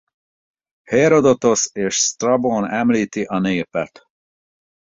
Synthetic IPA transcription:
heɾod̪o̞t̪o̞seːʃst̪rɒbonɛmliːt̪iʔɒneːpɛt̪

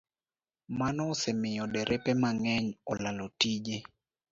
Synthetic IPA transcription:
manɔːsɛmɪjɔdɛɾʔɛpɛmaŋɛɲɔlalotid͡ʒe

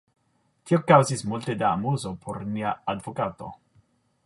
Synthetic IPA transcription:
t̪iokawzismult̪ed̪aːmuzopʰoɾniaad̪vokat̪o̰

